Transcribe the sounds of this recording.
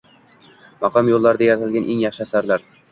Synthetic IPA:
mɑqʰɒmjolˠːaɾɪd̪ajaɾat̪ʰɪlɡʲanʔe̞ŋjɑχʃɪasaɾlaɾ

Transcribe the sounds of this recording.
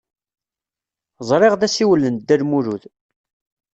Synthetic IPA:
zˤɾˤeʁðæsiwəlːənd̪ːælmuɾuð

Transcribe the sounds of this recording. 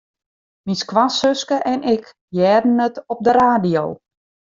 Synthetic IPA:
miskʋasøskəʔɛnʔɪk | jɛːdən̩ətɔp̚dəɾaːdijow

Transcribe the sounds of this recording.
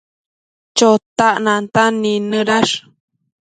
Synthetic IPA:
t͡ʃot̪aʔnãnt̪aninəɾaʂ

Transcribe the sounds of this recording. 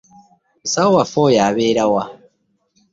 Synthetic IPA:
musawowafojaːβeːɾawa

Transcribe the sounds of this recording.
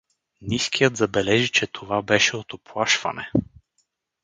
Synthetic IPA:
niskʰijət̪zɐbɛlɛʒit͡ʃɛt̪ʰovabɛʃɛot̪oplˠaʃvɐ̰nɛ

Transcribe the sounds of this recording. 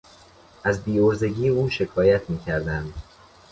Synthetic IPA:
ʔæzbiːoɾze̞ɟiːeuːʃe̞kʰɒːjæt̪ʰmiːcʰæɾd̪ænd̪

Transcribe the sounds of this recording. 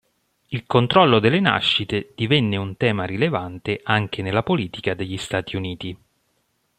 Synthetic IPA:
ilkont̪ɾɔlːod̪elːena̰ʃːit̪ed̪̥ivɛnːeunt̪ɛːmaɾilevant̪eʔaŋk̟enelːapoliːt̪ikad̪eʎːist̪aːt̪ʰiuniːt̪i

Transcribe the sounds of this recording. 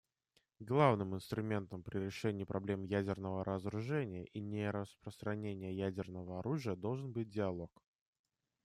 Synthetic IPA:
ɡlˠavnɨmɨnst̪ɾʊmʲe̞nt̪əmpɾʲɪɾʲɪʂɛnʲɪːpɾʔɐblʲe̞mjædʲɪrnəvəɾʔəzɾʊʐɛnʲɪjəʔinʲɪɾəspɾəst̪ɾɐnʲenʲɪjəjædʲɪrnəvəɐɾuʐɨjəd̪o̞lˠʐɨnbɨt̚ʲdʲɪɐlˠo̞k

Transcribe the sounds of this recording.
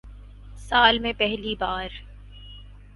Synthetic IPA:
saːlmẽpɛɦlibaːɾ

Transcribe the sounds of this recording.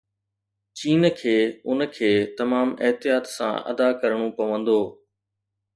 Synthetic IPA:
t͡ɕiːnkʰeːʊnkʰeːt̪ɐmaːmɪɦt̪ɪjaːt̪sã̰ʔɐ̰d̪akɐɾɽ̃opɐʋə̃nd̪oː

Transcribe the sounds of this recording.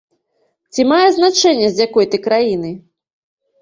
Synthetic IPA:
t͡sʲimajɛznat͡ʂɛnʲːɐzʲjakɔjt̪ɨkɾajin̪ɨ

